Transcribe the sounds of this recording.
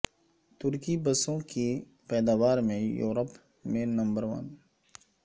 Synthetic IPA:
t̪ʊɾkibɐsõki | pɛːd̪aːʋaːɾmẽjo̰ːɾəp | mẽnɐ̃mbəɾʋɐ̰n

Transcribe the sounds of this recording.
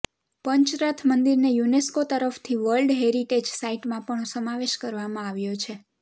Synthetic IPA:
pəɲt͡ʃɾat̪ʰmənd̪iɾnejuneskot̪əɾəft̪ʰiʋəlɖɦeɾiʈed͡ʒsaiʈmãpəɳsəmaʋeʃkəɾʋamãaʋjot͡ʃʰe

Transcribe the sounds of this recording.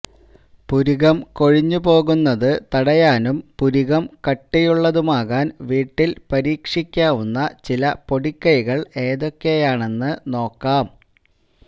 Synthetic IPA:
puɾuɣɐmko̞ɻiɲːup̬o̞ːɣunːɐðɨt̪ɐɽɐjaːnumpuɾuɣɐmkɐʈːijuɭːɐðumaːɣaːnʋiːʈːilpɐɾiːkʂikʲːaːʋunːɐt͡ɕilɐpo̞ɽikːɐjiɣɐɭe̞ːðo̞kːejaːɳe̞nːɨno̞ːkːaːm

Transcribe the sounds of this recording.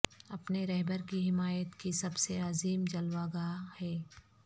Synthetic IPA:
ɐpneɾɛɦbəɾkiɦɪmaːjət̪kisɐbseaːziːmd͡ʒɐlwaːɡahɛː

